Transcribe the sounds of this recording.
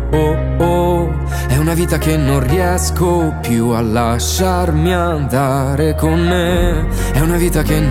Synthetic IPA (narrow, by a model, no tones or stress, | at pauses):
o | o | ɛunaviːt̪akenːõnriɛsko | pjualːaʃːarmiand̪a | ɾekonːe | ɛunaviːt̪ake